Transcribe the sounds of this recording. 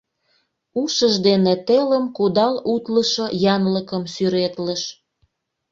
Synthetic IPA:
uʃəʒd̪enet̪eləmkud̪ɑlut̪ləʃojɑnləkəmsyɾet̪ləʃ

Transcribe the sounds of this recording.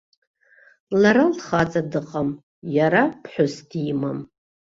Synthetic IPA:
laɾalχat͡sʼadɨqʼam | jaɾapʰħʷʊsdimam

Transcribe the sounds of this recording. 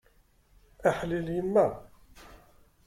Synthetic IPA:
æħliljənːæ

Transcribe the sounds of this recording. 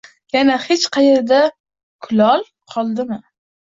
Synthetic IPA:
janahet͡ʃqʰɑjeɾd̪a | kʰʊlɒlˠ | qʰɒlˠd̪ɪmɪ

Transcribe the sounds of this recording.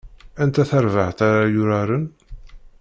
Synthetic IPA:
ænt̪æθæɾvaht̪aɾajʊɾaɾən

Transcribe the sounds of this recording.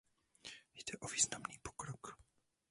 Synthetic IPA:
jd̥̪ɛʔoviːznamniːpo̥kɾok

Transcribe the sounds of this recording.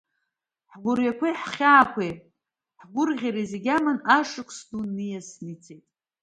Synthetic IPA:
ħɡʷʊrjakʷʰajħχʲaːkʷʰejʼ | ħɡʷʊrʁʲiɾizeɡʲamanaʂɨkʷʼʰsdunijasnit͡sʰejtʼ

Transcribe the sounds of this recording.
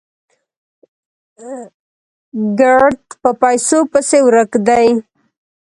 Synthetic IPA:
ɡaɾt̪pəpajsopəsewɾəkd̪aj

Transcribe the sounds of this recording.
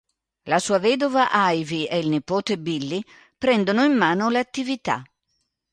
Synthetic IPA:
lasuːavɛːd̪ovaʔajviɛilnipoːt̪ebilːi | pɾɛnd̪onʊimːaːnolat̪ːivit̪a̰

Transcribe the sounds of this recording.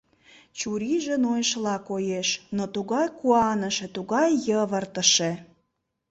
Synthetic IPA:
t͡ɕuɾiʒenojʃlɑkojeʃnot̪uɣɑjkuɑnəʃet̪uɣɑjːəβərt̪əʃe

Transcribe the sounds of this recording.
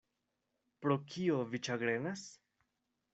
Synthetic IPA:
pɾokʰio̞vit͡ʃaɡɾe̞nas

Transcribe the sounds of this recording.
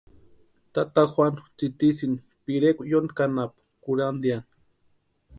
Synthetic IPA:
t̪at̪axwanut͡sit̪isini | piɾekʷujond̪kanapḁkuɾand̪jani̥

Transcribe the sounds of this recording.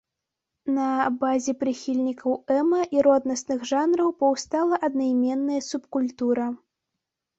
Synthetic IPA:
nɐbazʲɛpɾɨxʲilʲnʲikʰɐwɛmɐʔiɾɔd̪nɐsnɨɣʐanɾɐwpɐwst̪alˠɐʔɐd̪nɐjmʲɛnːɐjɐsupkulʲt̪uɾɐ

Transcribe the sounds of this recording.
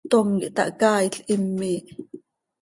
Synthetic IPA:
t̪omkiʔt̪ɑ̰ʔkɑːiɬʔimːiːʔ

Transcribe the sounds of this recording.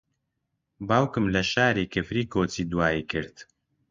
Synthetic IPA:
baːwkɨmlɐʃaːɾiːkɨfɾiːkoːt͡siːd̪uwaːikɨɾt̪

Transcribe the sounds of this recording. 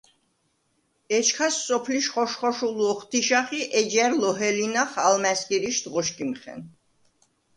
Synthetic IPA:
ɛt͡ʃʰkʰasːɔpʰliʃχɔʃχɔʃuluɔχt̪ʰiʃaχiʔɛd͡ʒɛɾlɔɦɛlinaχalmɛskʼiɾiʃt̪ʁɔʃkʼimχɛ̰n

